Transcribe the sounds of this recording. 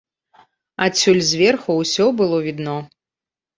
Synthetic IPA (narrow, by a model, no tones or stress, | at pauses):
at͡sʲːulʲzʲvʲɛrxuwsʲɔbɨlˠɔvʲid̪nɔ